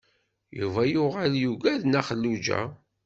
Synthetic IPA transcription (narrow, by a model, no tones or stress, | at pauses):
juvæjʊʁəljuɡæðnæχəlːud͡ʒæ̰